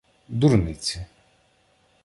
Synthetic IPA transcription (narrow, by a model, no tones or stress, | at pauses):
d̪uɾnɪt͡sʲi